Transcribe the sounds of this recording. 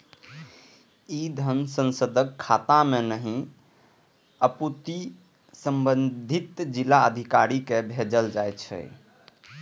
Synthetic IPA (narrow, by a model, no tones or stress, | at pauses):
id̪ʱənsə̃nsəd̪əkʰːat̪amenəɦĩ | əput̪i | səmbənd̪ʱit̪d͡ʒilaəd̪ʱikaɾikebʱed͡ʒəld͡ʒajt̪t͡ʃʰɛ̰